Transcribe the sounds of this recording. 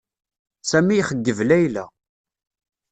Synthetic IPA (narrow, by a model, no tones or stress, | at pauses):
sæmijχəɡːəvlæjlæ̰